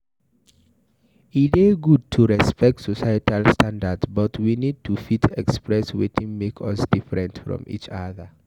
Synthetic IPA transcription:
ideɡud̚tʰuɹɛspɛk̚tsosaɪtalstãndadsbɔtʰwinid̚tʰufitʰɛ̰kspɹɛswḛtʰĩŋmekʰɔsd̥ifɹɛ̃ntfɹɔ̰̃mʔḭt͡ʃaðə

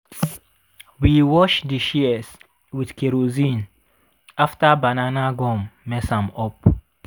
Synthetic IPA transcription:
wiwɔt͡ʃdiʃiəs | widkʰeɹozĩn | aftabananaɡɔ̃mːɛsãmɔp

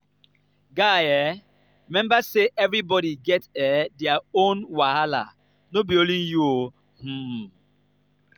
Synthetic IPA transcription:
ɡajɛ | ɾimɛ̃mbaseʔɛvɾibɔɾiɡɛtɛdɛaonwaɦala̰ | nobiolĩnjuo | m̩

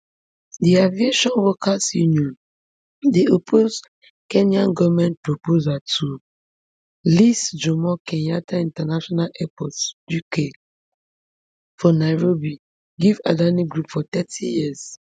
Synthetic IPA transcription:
diavieʃɔ̃nwɔkʰasjuniɔ̃n | deopʰoz | kɛ̃niãnɡɔvmɛ̃nt̚pɹopozatʰu | lisd͡ʒomɔkʰɛ̃njatʰaĩntɛnaʃɔnalɛpɔtsjuke | fɔnaɪɹobi | ɡiva̰daniɡɹupfɔtɛtʰḭjiz

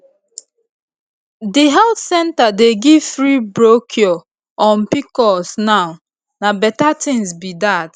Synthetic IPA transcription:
diɦɛlθsɛ̃ntadeɡivfɾibɾokʰjo | ɔm̩pikɔsnaʊ | nabɛtatʰɪ̃nsbidat

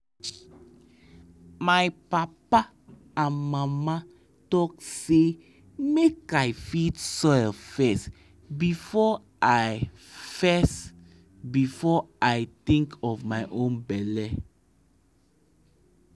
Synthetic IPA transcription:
majpapa | ãnmama | tɔkse | mekajfitsɔlfɛst | bifɔ | ʔaj | fɛs | bifɔajt̪ĩŋkɔvmajʔõnbɛlɛ

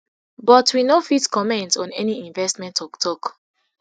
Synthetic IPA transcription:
bɔtʰwinofitkɔmɛ̃ntɔ̃nɛniĩɱvɛstmɛ̃ntɔktʰɔk

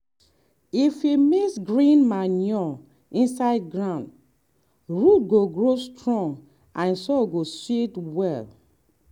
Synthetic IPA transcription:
ifimisɡɹĩnmanjɔ | ĩnsaɪd̚ɡɹãʊ̃nd | ɹut̚ɡoɡɹostɹɔ̃ŋ | ãnsɔɡositwɛl

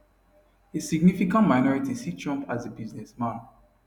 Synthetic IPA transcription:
esiɡnifikãntmaɪnɔɹitisitʰɹɔ̃mpʰazebiznɛsmãn

